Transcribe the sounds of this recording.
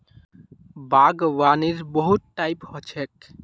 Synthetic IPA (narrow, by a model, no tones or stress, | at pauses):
baɡʋaːniɾbəɦut̪̚ʈajphɔt͡ʃʰek